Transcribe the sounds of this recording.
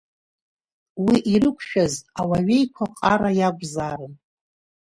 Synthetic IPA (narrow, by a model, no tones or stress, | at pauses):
wiʔirɨkʷʰʃᶣazawaɥe̞jkʷʰaqʼaɾajaɡʷʼzarɨn